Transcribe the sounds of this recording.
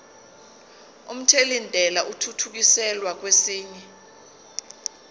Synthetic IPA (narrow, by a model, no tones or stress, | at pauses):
um̩tʰelindʱɛlaʔutʰutʰuk̬isɛlwak̬wesiːɲɛ